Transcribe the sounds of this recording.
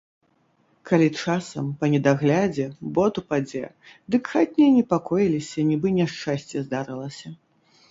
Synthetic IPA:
kalʲit͡ʂasɐmpɐnʲɛd̪aɣlʲad͡zʲɛbɔt̪upad͡zʲɛ | d̪ɨkxat̪ʲnʲɛnʲɛpakɔjilʲisʲɐnʲibɨnʲɛʂt͡ʂasʲt͡sʲjɛzd̪aɾɨlˠɐsʲɐ

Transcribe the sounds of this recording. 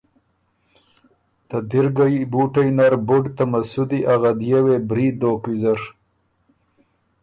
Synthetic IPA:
t̪ad̪iɾɡajbuʈajnaɾbʊɖt̪amasud̪iʔaɣad̪jewebɾiːd̪okwizaɾ

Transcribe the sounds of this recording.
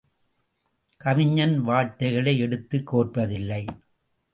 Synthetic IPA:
kɐmɪɲːɐnʋaːʈːɐɪɣɐɭɐɪɛɽɯt̪ːɯkːoːrpɐðɪlːɐɪ

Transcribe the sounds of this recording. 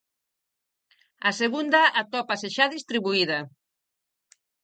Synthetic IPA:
aseɣund̪aʔat̪ɔpaseʃaðist̪ɾiβuiðɐ

